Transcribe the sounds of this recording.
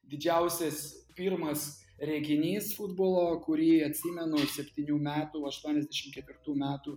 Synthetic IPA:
d̪ʲɪd͡ʒʲɛʊsʲɛspʲiːɾmɐs | ɾʲɛɡʲɪnʲiːsfʊd̪boːlˠoːkʊɾʲiːɐt̪ʲsʲiːmʲɛnʊsʲɛpʲt̪ʲiːnʲuːmʲæːt̪uːɐʃt̪uɔnʲɛzʲd̪ʲæʃʲɪmkʲɛt̪ʲʋʲɪrt̪uːmʲæːt̪uː

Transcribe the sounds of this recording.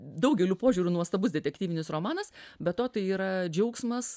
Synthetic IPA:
d̪ɐʊɡʲɛlʲuːpoːʒʲuːɾʲunuɔst̪ɐbʊsdʲɛt̪ʲɛk̚ʲt̪ʲiːʋʲɪnʲɪsɾomɑːnɐsbʲɛt̪toːt̪ɐɪiːɾɐd͡ʒʲɛʊksmɐs

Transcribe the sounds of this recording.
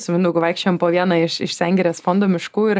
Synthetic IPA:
sʲɪmʲɪnd̪ʊkʊʋɐɪkʃʲt͡ʃʲɛjɛmpoːʋʲiɛnɑɪʃɪ̰ʃsʲæŋʲɡʲɛɾʲeːsfoːnd̪oːmʲɪʃkuːɪɾ

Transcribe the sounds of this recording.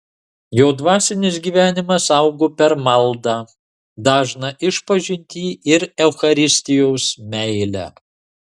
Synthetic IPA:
joːd̪ʋɑːsʲɪnʲɪs̬ɡʲiːʋʲæːnʲɪmɐsɐʊɡoːpʲɛɾmɐlˠd̪ɑː | d̪ɑːʒnɐʔɪʃpɐʒʲɪnʲt̪ʲiːʔɪɾɛʊxɐɾʲɪsʲt̪ʲɪjoʊsmʲɛɪlʲæ̰

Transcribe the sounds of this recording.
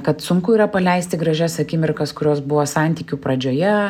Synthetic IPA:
kɐt̪sʊŋkʊiːɾɐpɐlʲɛɪst̪ʲɪɡɾɐʒʲæːsɐkʲɪmʲɪrkɐskʊɾʲoːsbʊʋoːsɑnʲt̪ʲiːkʲupɾɐd͡ʒʲoːjɛ

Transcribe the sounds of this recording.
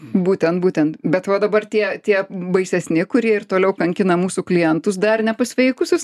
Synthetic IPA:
buːt̪ʲɛnt̪buːt̪ʲɛnt̪bʲɛt̪ʋɐd̪ɐbɐrt̪ʲiɛt̪ʲiɛbɐɪsʲɛsʲnʲɪkʊɾʲiɛɪrt̪oːlʲɛʊkɐŋʲkʲɪnɐmuːsuklʲɪjɛnt̪ʊs̬d̪ɐrnʲɛpɐsʲʋʲɛjkʊsʲʊs

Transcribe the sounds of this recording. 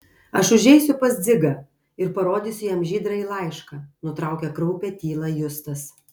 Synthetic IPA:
ɐʃʊʒʲɛɪsʲʊpɐsʲd̪zʲɪɡɐ | ɪɾpɐɾoːd̪ʲiːsʲʊjɛmʒʲiːd̪ɾɐiːlˠɐˑɪʃkɐːnʊt̪ɾɑˑʊkʲɛkɾɔʊpʲɛt̪ʲiːlˠɐjʊst̪ɐs

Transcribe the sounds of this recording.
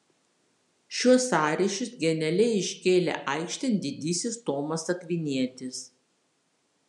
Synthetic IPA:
ʃʲuɔsɑːɾʲɪʃʲʊsɡʲɛnʲɛlʲɛɪɪʃʲkʲeːlʲḛːʔɐɪkʃʲt̪ʲɛnʲd̪ʲɪd̪ʲiːsʲɪst̪oːmɐsɐkʲʋʲɪnʲiɛt̪ʲɪs

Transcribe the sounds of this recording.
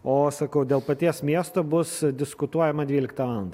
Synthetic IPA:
oːsɐkɐʊd̪ʲeːlˠpɐt̪ʲiɛsmʲiɛst̪oːbʊsd̪ʲɪskʊt̪uɔjɛmɐd̪ʲʋʲiːlʲɪk̚t̪ɐʋɑːlˠɐnd̪ɐ

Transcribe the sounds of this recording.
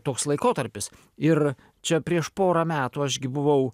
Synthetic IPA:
t̪oːkslˠɐɪkoːt̪ɐɾʲpʲɪs | ɪr | t͡ʃʲɛpʲɾʲiɛʃpoːɾɐmʲæːt̪uːɐʒɡʲɪbʊʋɐʊ

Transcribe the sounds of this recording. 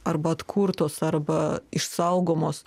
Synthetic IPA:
ɐɾbɐɐt̪kʰuɾt̪oːsɐɾbɐɪʃsɐʊɡoːmoːs

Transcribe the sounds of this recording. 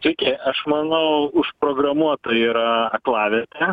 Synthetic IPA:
t̪ʲɪkʲɛʔɐʃmɐnɐʊʊʃpɾoːɡrɐmuɔt̪ɐiːɾɐɐklˠɑːʋʲɛt̪ʲɛ

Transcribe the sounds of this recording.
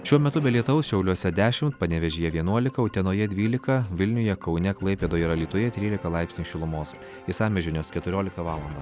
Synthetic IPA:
ʃʲuɔmʲɛt̪ʊbʲɛlʲiɛt̪ʊʋɐʊsʃʲɛʊlʲuɔsʲɛd̪ʲæːʃʲɪmt̪pɐnʲɛʋʲɛʒʲiːjɛʋʲiɛnuɔlʲɪkɐʊt̪ʲɛnoːjɛd̪ʲʋʲiːlʲɪkɐʋʲɪlʲnʲʊjɛkɒʊnʲɛklˠɐɪpʲeːd̪oːjɪɾɐlʲiːt̪ʊjɛt̪ʲɾʲiːlʲɪkɐlˠɑɪpʲsnʲiːʃʲɪlˠʊmoːs | ɪsɑːmʲɛʒʲɪnʲoskʲɛt̪ʊɾʲoːlʲɪkt̪ɐʋɑːlˠɐnd̪ɐː

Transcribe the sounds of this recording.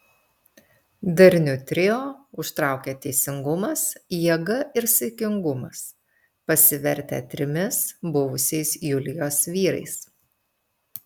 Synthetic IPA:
d̪ɐɾʲnʲʊt̪ʲɾʲɪjoːʊʃt̪ɾɑˑʊkʲeːt̪ʲɛɪsʲɪŋɡʊmɐsjiɛɡɐʔɪɾsʲɪkʲɪŋɡʊmɐs | pɐsʲɪʋʲɛɾʲt̪ʲæ̰ːt̪ʲɾʲɪmʲɪsbʊʋʊsʲɛɪsjʊlʲɪjoːsʋʲiːɾɐ̰ɪs

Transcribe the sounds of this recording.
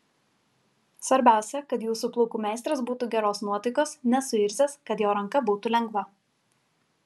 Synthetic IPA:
sʋɐɾʲbʲæˑʊsʲɛkɐt̪juːsuplˠɔʊkuːmʲɛˑɪst̪ɾɐsbuːt̪uːɡʲɛɾoːsnuɔt̪ɐɪkoːsnʲɛsʊɪɾʲsʲeːskɐt̪joːɾɐŋkɐbuːt̪uːlʲɛŋɡʋɐ

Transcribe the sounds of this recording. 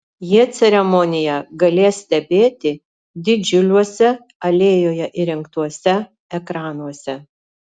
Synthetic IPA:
jiɛt̪sʲɛɾʲɛmɔnʲɪjɛɡɐlʲeːssʲt̪ʲɛbʲeːt̪ʲɪ | d̪ʲɪd͡ʒʲʊlʲuɔsʲɛ | ɐlʲeːjoːjɛʔɪɾʲɪŋkt̪uɔsʲɛ | ɛkɾɑːnuɔsʲɛ

